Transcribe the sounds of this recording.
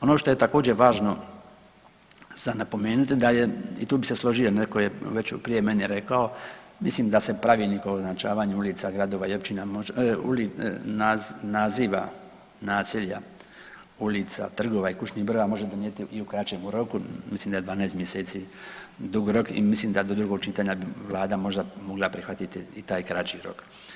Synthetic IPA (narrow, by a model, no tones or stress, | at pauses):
o̞noʃt̪o̞je̞t̪ako̞ːd͡ʑeʋaːʒno̞ | z̥anapo̞me̞ːnut̪id̪ajeḭt̪uːbiseslˠo̞ʒijo̞nekojeʋe̞t͡ɕpɾije̞menjeɾe̞kao̞ | mislimd̪ase̞pɾaʋinikooznat͡ʃaːʋaːɲeulit̪saɡɾad̪o̞ʋaio̞pt͡ʃinamoṵlinanaziːʋa̰ | naːsiʎa | ulit̪sa̰t̪r̩ɡo̞ʋaikuʃɲiɣbr̩ʋamo̞ʒe̞d̪onjet̪iiukɾat͡ʃemuɾo̞kumisliːmd̪aj̞d̪ʋaːnajest̪mjeseːt̪sid̪uɡɾo̞kḭmislimd̪ad̪o̞d̪ɾuɡo̞ɡ̚t͡ʃit̪aɲabiʋlˠaːd̪amo̞ʒd̪amo̞ɡlapɾixʋat̪it̪iit̪aːjkɾat͡ʃiɾo̞̰k